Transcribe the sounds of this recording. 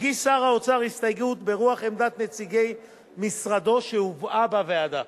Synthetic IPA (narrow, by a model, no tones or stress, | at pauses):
ɡisaʁaot͡saʁist̪ajɡut̪be̞ʁuaχemd̪at̪net͡siɡe̞j | misʁad̪o̞ʃeuvabavead̪a